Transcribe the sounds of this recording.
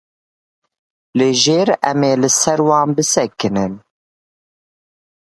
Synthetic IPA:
leːʒeːɾɛ̰meːlɨsɛɾwɑːnbɨsɛkɨnɨn

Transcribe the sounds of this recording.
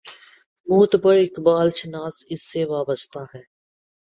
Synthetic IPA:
muːt̪pəɽɪkbaːlt͡ʃɪnaːsɪsːeʋaːbəst̪aɦɛː

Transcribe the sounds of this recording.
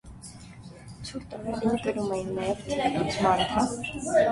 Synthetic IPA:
t͡sʰuɾt̪ɔɾɛɾinək̪əɾumɛjinːɑjɛvt̪ut͡sʰmɑɾt̪ʰɑ

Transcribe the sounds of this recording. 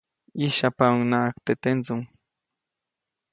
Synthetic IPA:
iʃapaŋnaːkt̪et̪ent͡sʊŋ

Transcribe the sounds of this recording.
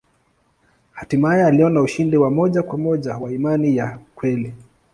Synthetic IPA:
hatimaajɛaliɔnauʃindiwamɔʄakwamɔʄawaimanijakwɛli

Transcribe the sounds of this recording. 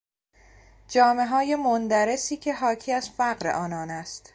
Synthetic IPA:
d͡ʒɒːme̞ɦɒːje̞mond̪æɾe̞siːcʰe̞ɦɒːcʰiːæzfæɣɾe̞̰ʔɒːnɒːnæst̪

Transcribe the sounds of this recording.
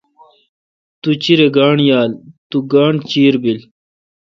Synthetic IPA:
t̪ut͡ɕiɾeɡaːɳjaːlt̪uɡaːɳt͡ɕiːɾbil

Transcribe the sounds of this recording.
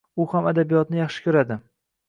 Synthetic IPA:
ʊhamad̪abijɒt̪̚nɪjɑχʃɪ̥kʲʰɵɾad̪ɪ

